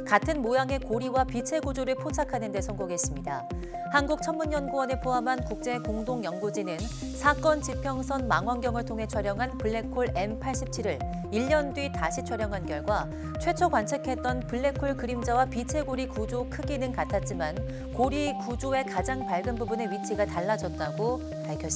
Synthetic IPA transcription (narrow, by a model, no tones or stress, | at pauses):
katʰɯnmojaŋe̞koɾiwapit͡ɕʰe̞ɡud͡ʑoɾɯɭpʰot͡ɕʰakʰanɯnde̞sʰʌŋɡoɡe̞s͈ɯmɲida | hanɡuk̚t͡ɕʰʌnmuɲːʌnɡuwʌnepʰoɦamɦankuk̚t͡ɕ͈e̞koŋdoŋjʌŋɡod͡ʑinɯn | sʰak͈ʌnt͡ɕipʰjʌŋsʰʌnma̰ŋwʌnɡjʌŋɯɭtʰoŋɦe̞t͡ɕʰaɾjʌŋɦanpɯɭːe̞kʰoɭe̞mpʰaɭɕ͈ip̚t͡ɕʰiɾɯɭ | iʎːʌndɥitaɕʰit͡ɕʰaɾjʌŋɦanɡjʌɭɡwa | t͡ɕʰwe̞t͡ɕʰokwant͡ɕʰekʰe̞t̚t͈ʌnpɯɭːe̞kʰoɭkɯɾimd͡ʑawapit͡ɕʰe̞ɡoɾikud͡ʑokʰɯɡinɯnkatʰat̚t͡ɕ͈iman | koɾikud͡ʑoe̞kad͡ʑaŋpaɭɡɯnbubune̞ɥit͡ɕʰiɡataɭːad͡ʑʌt̚t͈aɡo | paɭkʰjʌs͈